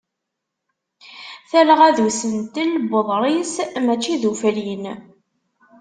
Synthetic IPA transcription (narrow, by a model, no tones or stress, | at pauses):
θælʁæðusənt̪ilbəðˤɾˤismæt͡ʃːiðuflin